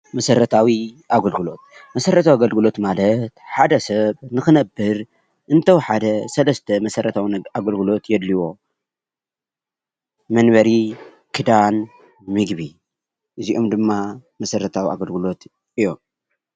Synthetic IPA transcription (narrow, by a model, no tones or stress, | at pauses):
mɐsɐɾɐt̪ʰawiʔaɡɐlɡɨlo̞t̪̚ | mɐsɐɾɐt̪ʰawaɡɐlɡɨlo̞t̪malɐt̪ħad̪ɐsɐβnɨxɨnɐbːɨɾ | ʔɨnt̪ʰɐwħad̪ɐsɐlɐst̪ʰɐmɐsɐɾʔɐt̪ʰawiaɡɐlɡɨlo̞t̪jɛd̪liwo̞ | mɐnβɐɾi | kʰɨd̪an | mɨɡβi | ʔɨziʔomd̪ɨmːamɐsɐɾɐt̪ʰawia̰ɡɐlɡɨlo̞t̪ | ɨjom